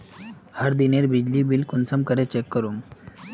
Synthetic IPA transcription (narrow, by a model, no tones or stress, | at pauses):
haɾd̪ineɾbid͡ʑlibilkunsəmkəɾet͡ɕekːəɾuŋ